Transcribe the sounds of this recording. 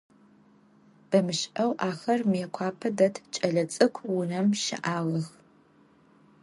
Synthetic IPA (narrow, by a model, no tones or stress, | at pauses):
b̥ɐmɨʃʔɐwʔaːxɐrmjɛkʷʰaːpʰɐdɐtʰt͡ʃʼɐɮɐt͡sʼɨkʷʰwʊnɐmʃɪ̰ʔaːʁɐx